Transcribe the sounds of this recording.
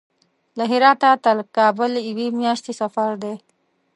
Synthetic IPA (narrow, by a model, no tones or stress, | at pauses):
laɦɪɾɑt̪at̪alkɑːbəliwimjɑʃt̪isafaɾd̪e